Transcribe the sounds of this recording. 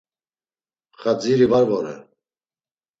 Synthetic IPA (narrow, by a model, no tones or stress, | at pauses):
χad͡ziɾivaɾvɔɾɛ̰